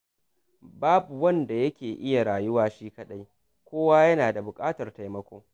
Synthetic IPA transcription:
baː˦bu˨wɐ˦nda˨jɐ˦kʲeː˨ʔɪ˦ja˨ɽaː˨jʊ˦waː˨ʃiː˦kɐ˦˨ɗa˦j | kʷoː˦waː˦jɐ˦naː˨da˨bʊ˨kʼaː˦tɐ˨rta˨jmɐ˦kʷoː˦

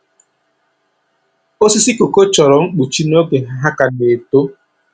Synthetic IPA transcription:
o˦si˦si˦ko˨ko˦t͡ʃɔ˨ɾɔ˨ŋ͡m̩˦k͡pu˨t͡ʃi˦no˦ɡe˨ɦa˦ɦa˦ka˨ne˨to˦

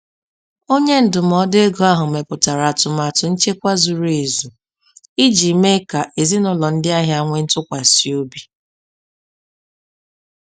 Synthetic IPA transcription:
o˦ɲe˦n̩˦dʊ˨m̩˨ɔ˦de˦ɡo˨a˦ɦʊ˨me˨pʊ˨ta˨ɾa˨tʊ˨ma˨tʊ˨n̩˦t͡ʃe˦kʷa˦zu˨ɾe˨zu˨ | i˦d͡ʒi˨me˦ka˨ʔe˨zi˦nʊ˦lɔ˨n̩˦dɪ˦a˦ɦja˦ŋʷe˦n̩˦tʊ˦kʷa˨si˨o˦bi˦

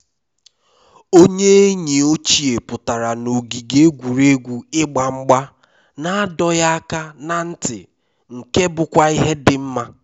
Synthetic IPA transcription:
o˦ɲe˦e˦ɲi˨o˦t͡ʃi˨e˨pʊ˨ta˨ɾa˨no˨ɡi˨ɡe˦ɡʷu˨ɾe˦ɡʷu˨ɪ˦ɡ͡ba˨ŋ͡m̩˦ɡ͡ba˦ | na˨a˦dɔ˦ja˦a˦ka˦na˨n̩˦tɪ̰˨ | ŋ̩˨ke˦bʊ˨kʷa˦i˦ɦe˦dɪ˨m̩˦ma˦

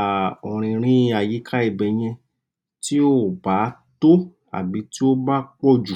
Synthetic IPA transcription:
ɔ̃˨ɾ̃ĩ˧ɾ̃ĩ˦a˨ji˨˦kʰa˦i˧˨bɛ˨j̃ɛ̃˧ | ti˦o˦˨ba˨˦to˦ | a̰˨bi˨˦ti˦o˦ba˦k͡pɔ˦d͡ʒu˨

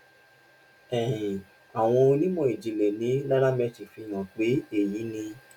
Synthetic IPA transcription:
ɛ̃˨ĩ˨ | a˨w̃ɔ̃˧o˧nĩ˦mɔ̃˧˨i˨d͡ʒi˨lɛ˨nĩ˨˦la˦ɾa˦mɛ˧t͡ʃi˨fĩ˧˦˨j̃ã˨k͡pe˨˦e˨jĩ˨˦nĩ˧

